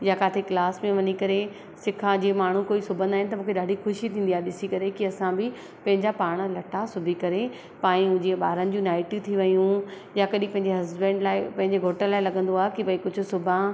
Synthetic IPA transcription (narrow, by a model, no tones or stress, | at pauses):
jakaːt̪ʰeklaːsmẽʋɐɲikɐɾe | sɪkʰãd͡ʑiːmaːɳ̤ũkoːisʊbʱə̃nd̪aːɦɪ̃nɪt̪ɐmũːkʰeɗaːɖʱixʊʃit̪ʰĩːn̆d̪iaːɦeɗɪsikɐɾekiɐsãbɪ | pɐ̃ɦɪ̃ɲd͡ʑapaːɽ̃̆lɐʈʰasʊbʱikɐɾe | pãːĩʊ̃d͡ʑeɓaːɾənɪ̆d͡ʑũːnaːɪʈijut̪ʰiʋɐjũ | jakɐɗĩpɐ̃ɪ̃ɲd͡ʑeɦɐzbɛ̃ːɳɖlaːɪpɐ̃ɦɪ̃ɲd͡ʑeɡʱoːʈəɾlaːɪlɐɠə̃nd̪oaːɦekibɐikʊd͡ʑʱʊ̆sʊbʱã